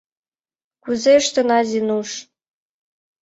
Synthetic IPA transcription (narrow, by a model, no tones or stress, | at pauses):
kuzeʃt̪ə̆nɑzʲinuʂ